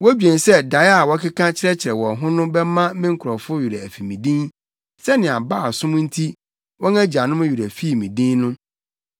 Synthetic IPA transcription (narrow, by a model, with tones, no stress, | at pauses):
wɔ˦æ˦d͡ʑᶣɛ̃˨n˨sɛ˦da˨ja˨wɔ˦kʰɪ˦kʰã˦t͡ɕʰɪ˦ɾɛ˦t͡ɕʰɪ˨ɾɛ˨wɔ̃˨ɦʊ̃˦nʊ̃˦bɛ˦mã˦mɪ̃˦ŋ̩˦kʰʊ˨ɾɔ˨fʊ˦ju˨ɾa˨æ˨fi˨mĩ˨dĩ˦n | sɛ˦nɪ̃˨a˨baː˦˨sʊ̃˦m̃˦n̩˦tʰi˦ | wɔ̃˦ŋã˦d͡ʑa˨nʊ̃˦m̃˦ju˨ɾæ˨fi˦˨mĩ˨dĩ˦nnʊ̃˦